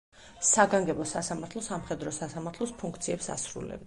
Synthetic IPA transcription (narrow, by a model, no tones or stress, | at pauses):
saɡaŋɡɛbɔsasamaɾt̪ʰlˠɔsamχɛd̪ɾɔsasamaɾt̪ʰlɔspʰuŋk̚ʰt̪sʰiɛpsa̰sɾṵlɛ̰b